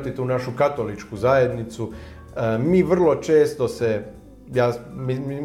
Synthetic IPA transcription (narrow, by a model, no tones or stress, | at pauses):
t̪it̪uːnaʃukat̪o̞lit͡ʃkuzaje̞d̪nit̪su | əmiːʋr̩lˠo̞t͡ʃeːst̪ose | jaːmi